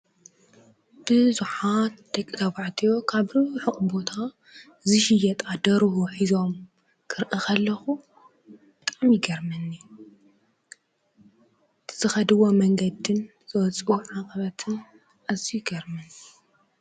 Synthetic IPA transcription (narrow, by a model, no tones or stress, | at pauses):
b̥ɨzuħat̪d̪ɐkʼit̪ʰɐβaʕt̪ʰijo̞kʰaβɾɨuħɨχʼubo̞t̪ʰa | zɨʃɪjɛt̪ʼad̪ɐɾhuħizo̞m | kʰɨɾʔɨkʰɐlːɐxu | b̥ɨt̪ʼamjɪɡɐɾmɨnːi | ɨt̪ʰɨzɨxɐd̪ɨwomɐŋɡɐd̪ɨn | z̥ɨwɔt͡sʼwuʕaqʼɐβɐt̪ʰɨn | ʔazijɪɡɐɾmɨn